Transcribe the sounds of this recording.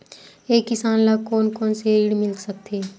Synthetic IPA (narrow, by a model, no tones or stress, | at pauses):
eːkːɪsaːnlakoːnkoːnseiɽmɪlsək̚t̪ʰeː